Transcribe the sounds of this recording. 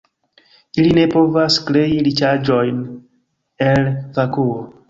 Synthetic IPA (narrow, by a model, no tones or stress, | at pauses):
iline̞po̞vaskɾe̞ilit͡ʃad͡ʒo̞jn | e̞lvakuo